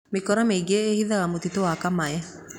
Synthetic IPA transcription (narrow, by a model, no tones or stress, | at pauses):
mekɔɾameiɡeːhiðaɣamot̪itoakamaɛ